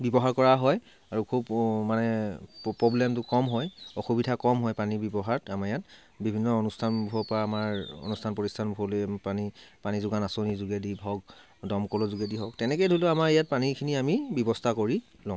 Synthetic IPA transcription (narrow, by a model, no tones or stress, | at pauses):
bibɔɦaɹkɔɹaɦɔj | aɹukʰubmanɛpːɹɔblɛmtʊkɔmɦɔjɔxubidʱakɔmɦɔjpanibɔbɔɦaɹtamaɹjat | bibʱinːɔonustʰanbʱɔpaːmaɹɔ̰nustʰanpɔtistʰanbʱuɔlojpanipanizʊɡanasonizuɡedibʱɔɡ̚ | dɔmkɔlɔzuɡediɦɔk̚tɛnɛkɛjdʱolʊamaɹijat̚panikʰiniamibɔbɔstʰakoɹi | lɔ̃